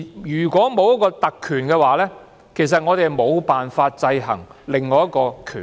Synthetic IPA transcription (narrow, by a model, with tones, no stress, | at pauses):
jyː˨˩kʷɔː˨˥mo˨˧wjɐ˥t̚kɔː˧t̪ɐ˨kʰːyː˨˩nkɛː˧waː˨lɛː˥ | kʰe˨˩js̬ɐ˨t̚ŋɔː˨˧t̪e˨jmo˨˧wpaː˨nfaː˧t̚t͡sɐ˧jɦɐ̰˨˩ŋlɪ˨ŋːɔː˨˧jɐ˥t̚kɔː˧kʰyː˨˩